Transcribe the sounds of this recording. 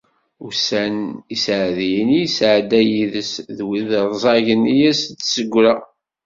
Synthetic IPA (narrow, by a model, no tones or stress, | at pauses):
ʊsænisʕðjənijsʕd̪æjiðəsðwiðɾˤzˤɑʝənijæst͡sːsəɡʷːɾa